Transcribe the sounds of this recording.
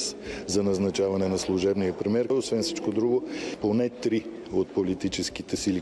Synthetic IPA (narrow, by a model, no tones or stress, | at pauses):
szɐnɐznɐt͡ʃavɐnɛnɐslˠʊʒɛbniɐpɾimɛɾosvɛnfsit͡ʃkod̪ɾuɡoponɛt̪ɾi | ot̪̚polit̪it͡ʃɛskit̪ɛsili